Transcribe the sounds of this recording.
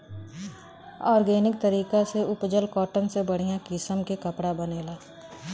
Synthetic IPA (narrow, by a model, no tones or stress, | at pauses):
ɔːɾɡeːnɪk̚t̪əɾiːkaseʊpd͡ʒəlkɔːʈənsebəɽ̤ijãkɪsəmkekəpɽabəneːlaː